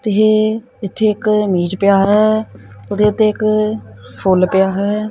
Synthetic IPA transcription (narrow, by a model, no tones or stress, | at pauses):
t̪eɦe | ɪt̪ʰːeːɪkmiːd͡ʒpɪjaːɦɛːʊd̪eːʊt̪ʰːeːɪk | fʰʊlpɪjaːɦɛː